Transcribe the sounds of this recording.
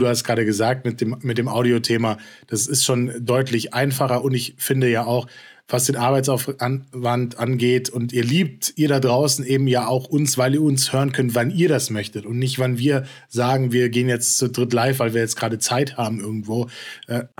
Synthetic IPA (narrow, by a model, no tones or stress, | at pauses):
d̥uːhastɡ̥ʁaːɾəɡəzaːk̚tmɪt̚d̥eːmmɪt̚d̥eːmʔaʊɾiotʰeːmad̥asɪstʃoːndɔʏtʰlɪçʔaɪnfaχɐʊntɪçfɪndəjaːaʊx | v̥asd̥eːnʔaɐbaɪtt͡saʊfanvantʔanɡeːtʰʊntiːɐliːp̚tʔiːɐɾadʁaʊsn̩eːbm̩jaːʔaʊxʔʊnsv̥aɪliːɐʊnshøːʁənkʰœntv̥aniːɐɾasmœçtətʊntnɪçtv̥anviːɐ | zaːɡŋ̩viːɐɡeːənjɛt͡st͡sudʁɪtlaɪfvaɪlviːɐjɛt͡stɡ̥ʁaːɾət͡saɪthaːbm̩ʔɪɐɡŋ̩tv̥oːʔɛː